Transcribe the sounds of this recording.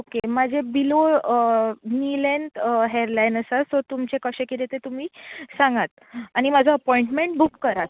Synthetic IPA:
okemad͡ʑʱebilo | nilent̪ɦeɾlajnəsat̪ɔt̪umt͡ɕekəɕẽkit̪et̪et̪um̤iːsãŋɡat̪ | aɽ̃imad͡zʱɔəpɔiɳʈmeɳʈ̚bukːəɾat͡s

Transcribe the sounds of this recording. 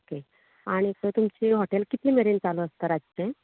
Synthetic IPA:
oke | aɽ̃ik̪ət̪umt͡ɕiɦoʈelkit̪liːmeɾint͡saləəst̪əɾad͡zt͡ɕẽ

